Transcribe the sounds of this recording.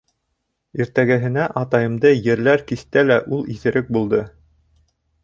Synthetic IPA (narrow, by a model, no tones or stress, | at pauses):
iɾt̪æɡæɦɘ̆næʔɑt̪ɑjɤ̆md̪ɤjɘ̆ɾlæɾkist̪ælæʔulˠiθɘ̆ɾɘk̚bulˠd̪ɤ